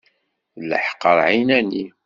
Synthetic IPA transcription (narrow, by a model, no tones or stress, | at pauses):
lə̰ħqəɾˤʕinæni